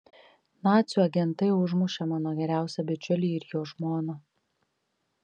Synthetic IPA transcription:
nɑːt̪sʲuɐɡʲɛnˑt̪ɐɪʊʒmʊʃʲɛmɑːnoːɡʲɛɾʲæˑʊsʲɛbʲɛt͡ʃʲʊlʲiːɪɾjoːʒmoːnoː

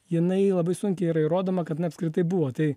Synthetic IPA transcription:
jɪnɐɪlˠɐbɐɪsʊŋʲkʲɛɪiɾɐiɾoːd̪oːmɐkɐt̪nɐɪɐpskɾʲɪt̪ɐɪbuʋoːt̪ɐɪ

